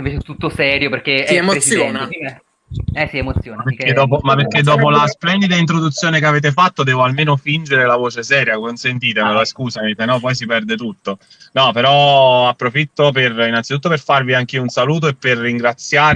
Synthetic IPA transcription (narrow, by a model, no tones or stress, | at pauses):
vet͡ʃt̪ːut̪ːosɛːɾjoperkesiemotsːjoi | ɛsiemot̪sːjoːapeked̪ɔːpomapːerkːed̪ːɔːp̬olasplɛnd̪id̪aint̪ɾod̪ut̪sːjoːnekeaveːt̪̬efat̪ːod̪ɛːvoalmeːnofind͡ʒeɾelavoːt͡ʃesɛːɾjakonsent̪iːt̪emolaskuːsamet̪enɔpɔjs̬ipɛrd̪et̪ut̪ːo | nɔpeɾɔapːɾofit̪ːoperinːant̪sit̪ut̪ːoperfarviaŋk̟iːounsaluːt̪̬oepːerːiŋɡɾat̪sːjaːɾ